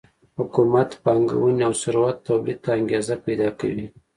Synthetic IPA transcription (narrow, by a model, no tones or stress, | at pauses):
hʊkumat̪pɑŋɡa̰wunawsʊɾwat̪ːawlid̪̚t̪ːaaŋɡezapajd̪ɑka̰wi